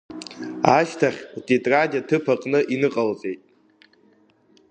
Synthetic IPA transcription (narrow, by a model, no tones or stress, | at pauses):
aʃtʰaχʲtʼitʼraɟʲatʰɨpʰaqʼnɨʔinɨqʼalzʼejtʼ